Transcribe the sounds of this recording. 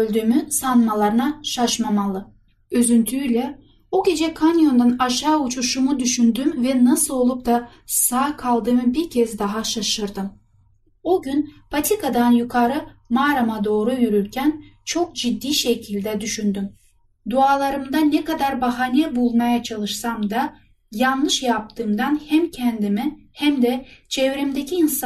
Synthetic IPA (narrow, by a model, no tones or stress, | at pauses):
ølʲd̪ymysanmalˠaɾɯnaʃaʃmamalˠɯ | øzynt̪ʰylʲɛ | oɟʲe̞d͡ʒɛkʰanjo̞nd̪anaʃaːut͡ʃʰuʃumud̪yʃynd̪ymvɛnasɯlˠo̞lˠup̚d̪a | saːkʰalˠd̪ɯmɯbiɾcʰɛzd̪aɦaʃaʃɯɾd̪ɯm | oɟynpʰat̪ʰikad̪anjukʰaɾɯmaːɾamad̪o̞ːɾujyɾyɾcʰænt͡ʃʰo̞k̚d͡ʒid̪ːiːʃecʰilʲd̪ɛd̪yʃynd̪ym | d̪uaːlˠaɾɯmd̪anɛkad̪aɾbaɦanijɛbulˠmajat͡ʃʰalˠɯʃsamd̪a | janlˠɯʃjap̚t̪ʰɯːmd̪anhæmcʰɛnd̪imi | hæmd̪ɛt͡ʃʰɛvɾimd̪ecʰiːns